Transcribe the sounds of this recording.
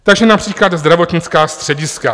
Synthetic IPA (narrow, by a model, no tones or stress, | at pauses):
t̪aɡʒɛnapr̝̥iːklad̪zd̪ɾavo̞t̪ɲɪt͡skaːst̪r̝̥ɛɟɪska